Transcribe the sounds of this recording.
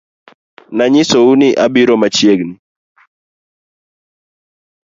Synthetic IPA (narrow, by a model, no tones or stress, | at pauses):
naɲɪsouniʔabiɾɔmat͡ʃjeɡni